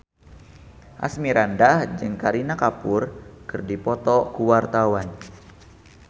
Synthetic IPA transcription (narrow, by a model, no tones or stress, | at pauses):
ʔa̰smiɾandahd͡ʒɨŋkaɾinakapʊrkɨrdipɔt̪ɔkuwart̪awan